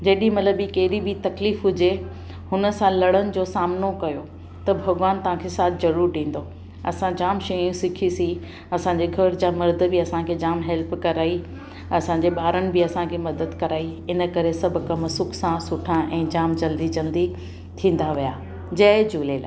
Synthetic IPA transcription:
d͡ʑɐːɗĩmɐt̪ləbikɐɦɪɾibit̪ɐkliːfɦʊd͡ʑe | hʊnə̆sãlɐɽənɪ̆d͡ʑoːsaːmnokɐjo | t̪ɐbʱɐɡʋaːnt̪ɐʋ̤ãkʰesaːt̪ʰɪzɐɾuːɾʈĩːn̆d̪o | ɐ̰sãd͡ʑaːmʃɐjũsɪkʰisĩ | ɐsãɲd͡ʑeɡʱɐɾd͡ʑaːmɐɾd̪̆ʱbɪɐsãkʰed͡ʑaːmɦɛlpkɐɾaːi | ɐsãːɲd͡ʑeɓaːɾənɪ̆bɪɐsãkʰemɐd̪əd̪kɐɾaːiɪnə̆kɐɾesɐbʱkɐmsʊksãsʊʈʰãʔɛ̃ːd͡ʑaːmd͡ʑɐld̪id͡ʑɐld̪i | t̪ʰĩːn̆d̪aʋijaː | d͡ʑɐd͡ʑuːlela̰ː

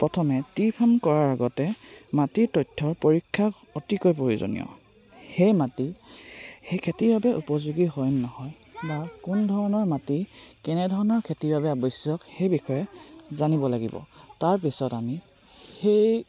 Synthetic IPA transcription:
pɹɔtʰɔmɛtipʰamkɔɹaɹaɡɔtɛmatiɹtɔjtʰːɔɹpoɹikʰːak | ɔtikɔjpoɹizo̰nḭjɔ̰ | xejmati | xejkʰetibabɛʔupɔzuɡiɦɔjnnɔhɔj | bakundʱɔɹɔnɔɹmatikɛnɛdʱɔɹɔnɔɹkʰetiɹbabɛabɔjsjɔkxejbixɔjɛzanibɔlaɡḭbɔ̰taɹp̬isɔtami | xej

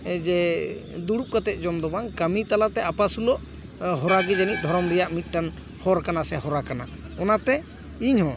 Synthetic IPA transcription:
d͡ʒɛd̪uɽup̚kat̪ɛt̪̚ˀd͡ʒɔmd̪ɔbaŋkamit̪alat̪ɛapasulɔʔ | ɦɔɾaɡɛd͡ʒanit̪̚d̪ʱɔɾɔmɾɛjaʔmit̪̚ˀʈan | hɔɾkanasɛɦɔɾakana̰ɔnat̪ɛ | iɲhɔ̃

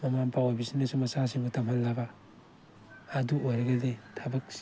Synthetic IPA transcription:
mɐmanpawojbisinɐsumɐsasiŋbutʰɐmhɐlːabɐ | duojɾɐɡɐdetʰabɐk̚

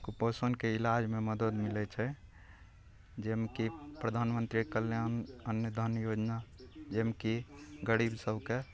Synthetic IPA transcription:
kuposənkeilad͡ʒmeməd̪əd̪milɛt͡ʃʰɛ | d͡ʒemkipɾəd̪ʱanmənt̪ɾikəlːjanənjəd̪ʱənjod͡ʒnad͡ʒemkiɡəɽibsəbke

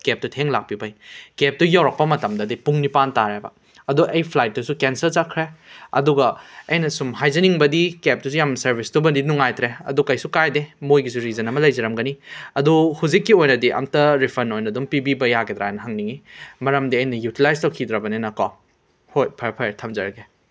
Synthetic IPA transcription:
kep̚tutʰeŋlak̚pibɐjkep̚tujawɾɐk̚pɐmɐtɐmdɐdipuŋnipantaɾebɐ̰ | ɐduʔɐjpʰlajt̚dusukensɐɾzakʰːɾeɐ̰duɡɐɐjnɐsumɦajzɐniŋbɐdikep̚dusujamsɐɾbʱistubɐndinuŋajt̪ɾeɐ̰dukɐjsukajdemojɡisuɾizɐnɐmɐlɐjzɐɾɐmɡɐniɐduhuzikːiojnɐdiʔɐ̰mtɐɾipʰɐnojnɐdumpibibɐjaɡet̪ɾa̰ajnɐɦɐŋniŋimɐɾɐmdiɐjnɐjutilajstɐwkʰid̪ɾɐbɐnenɐka | hojpʰepʰeɾtʰɐmzɐɾɐɡe

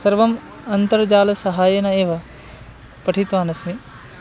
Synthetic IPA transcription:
sɐɾʋɐm | ɐnt̪ɐɾd͡ʒaːlɐsɐɦaːjɐnɐeːʋɐ | pɐʈʰit̪ʋaːnɐsmi

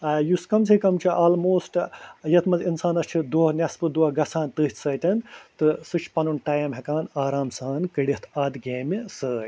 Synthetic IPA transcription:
ajuskɐms̬ekɐmt͡ʃʰiʔaːlmoːsʈjɐt̪ʰmɐzinsaːnɐst͡ʃʰid̪oːɦnʲɐspɨd̪uɡɐsʰaːnt̪ɨːɦt̪ʰsɐːʈɐnt̪ɨsɨt͡ʃʰpɐnunʈaːjɐmɦɐkaːnaːɾaːmsaːnkɨɽit̪ʰaːd̪ɡʲeːmisəːj

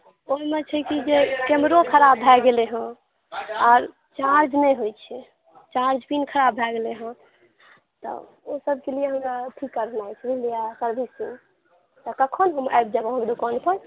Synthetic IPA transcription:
oimet͡ʃʰəkid͡ʒekemɾokʰəɾabʱɛɡeleɦə̃ | ɔɾ | t͡ʃaɾd͡ʒmeɦojt͡ʃʰɛ | t͡ʃaɾd͡ʒpinkʰəɾabʱɛɡeleɦə̃ | t̪ɔ̰ | osəb̚ʱkelijeɦəmɾaʈʰikːəɾnajt͡ʃʰɛbilijakəɾbʱisi | t̪ɔkəkʰonɦəma̰jbd͡ʒabəɦkd̪ukanpəɾ

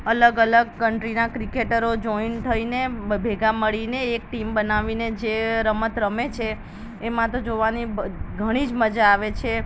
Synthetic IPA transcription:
ələɡələɡ̚kəɳʈɾinakɾikeʈəɾod͡ʒɔint̪ʰəinebʱeɡaməɭineːk̚ʈimbənaʋined͡ʒeɾəmət̪ɾəmet͡ʃʰeː | mãt̪od͡ʒoʋaniɡʱəɽ̃id͡ʒməd͡ʒaːʋet͡ʃʰe

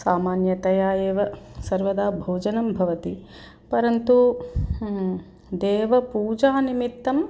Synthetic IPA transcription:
saːmaːnjɐt̪ɐjaːjeːʋɐsɐɾʋɐd̪aːbʱoːd͡ʒɐnɐmbʱɐʋɐt̪i | pɐɾɐnt̪u | d̪eːʋɐpuːd͡ʒaːnimit̪ːɐm

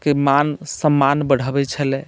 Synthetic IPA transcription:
kemansəmːanbəɽ̤əbɛt͡ʃʰəlɛ

